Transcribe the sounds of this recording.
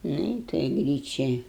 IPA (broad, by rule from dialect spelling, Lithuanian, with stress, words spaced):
ˈnʊ ɪ toːj ˈɡrʲiːt͡ʃʲɛ